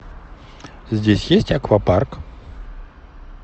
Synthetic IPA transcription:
zʲdʲesʲjesʲtʲɐkvɐpark

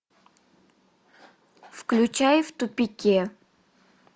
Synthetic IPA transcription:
fklʲʊt͡ɕajft̪ʊpʲɪkʲe

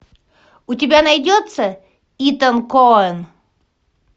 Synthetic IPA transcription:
ʊtʲɪbʲanɐjdʲot̪sə | it̪ənkoən

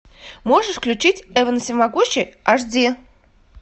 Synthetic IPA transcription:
moʐɨʂfklʲʉt͡ɕitʲɛvənəsʲɪmaɡuɕɪaʐdʲe

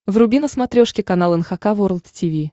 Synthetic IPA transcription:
vrʊbʲinəsmɐt̪ɾʲoʂkʲɪkɐnalˠɛnxɐkavoɾlˠt̪tʲivʲi

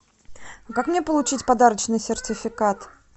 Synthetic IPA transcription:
kakmnʲepəlˠʊt͡ɕitʲpɐd̪aɾət͡ɕnɨjsʲɪrtʲɪfʲɪkat̪

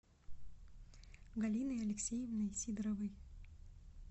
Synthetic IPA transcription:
ɡɐlʲinɨjɐlʲɪksʲejɪvnɨjsʲid̪ɾɐvɨj

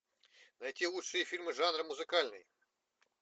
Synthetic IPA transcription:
nɐjtʲilˠuʂɨjifʲilʲmɨʐanrɐmʊzɨkalʲnɨj

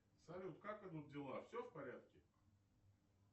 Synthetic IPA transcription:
sɐlʲut̪kakɨd̪udʲɪlˠafsʲofpɐɾʲat̪̚kʲɪ

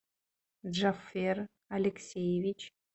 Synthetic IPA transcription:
ʐafer | alʲeksʲejevʲit͡ʃʰ

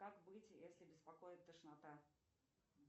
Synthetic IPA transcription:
kakbɨtʲjesʲlʲɪbʲɪspɐkojɪt̪ːəʂnat̪a

